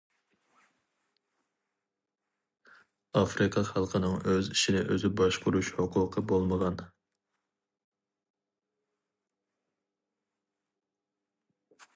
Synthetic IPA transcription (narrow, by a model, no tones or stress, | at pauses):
ɑfɾɨqʰɑχɑlˠqʰənɨŋøziʃinɪʔøzɪbɑʃqʰʊɾuʃhoqʰʊːqʰəbolˠməʁɑn